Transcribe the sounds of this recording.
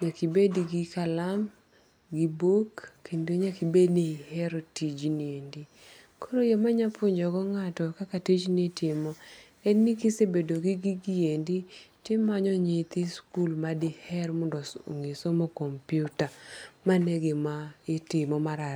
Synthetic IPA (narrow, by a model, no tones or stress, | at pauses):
ɲakibediɡikalam | ɡibokːendoɲakibednihɛɾɔtid͡ʒniendi | koɾojomaɲapʊɲd͡ʒɔɡɔŋatɔkakatid͡ʒnitʰɪmɔ | enikisebedoɡɪɡiɡienditɪmːaɲɔɲɪt̪ɪskulmadɪhɛrmɔndɔoŋesomokompjutamaneɡemaɪtɪmɔmaɾa